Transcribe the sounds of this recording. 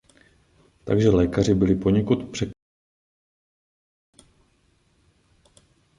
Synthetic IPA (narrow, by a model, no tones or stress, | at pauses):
t̪a̰ɡʒɛlɛːkarɪbɪlɪpo̞ɲɛkut̪pr̝̥ɛk